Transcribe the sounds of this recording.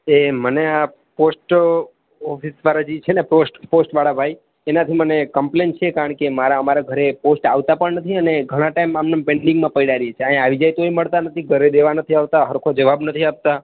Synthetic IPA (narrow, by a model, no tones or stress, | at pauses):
emənea | posʈ | ɔfʰisʋaɾad͡ʒit͡ʃʰeneposʈposʈʋaɽabʱaj | enat̪ʰimənekəmplent͡ʃʰekaɾəɳkemaɾaəmaɾaɡʱəɾeposʈaʋt̪apəɳnət̪ʰiəneɡʱəɽ̃ãʈaimamnõpẽɳɖĩŋɡmãpəiɽaɾiet͡ʃʰeãɦĩaʋid͡ʒajt̪oiməɭt̪anət̪ʰiɡʱəɾed̪eʋanət̪ʰiaʋt̪aɦəɾkʰod͡ʒəʋabnət̪ʰiap̚t̪a